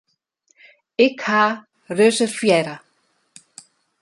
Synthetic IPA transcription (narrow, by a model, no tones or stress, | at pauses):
ɪkʰha | rœːsʏɾ̥fjɛːɾa